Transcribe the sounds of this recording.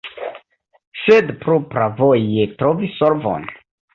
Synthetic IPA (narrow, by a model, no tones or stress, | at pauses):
sedpɾopɾavojetɾovisːoɾvo̰n